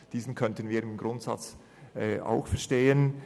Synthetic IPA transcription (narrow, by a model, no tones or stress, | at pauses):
d̥iːzn̩kʰœntənviːɾɪmɡɾʊntsɑ̰t͡s | ʔɛʔa̰ʊxfɛɐʃteːən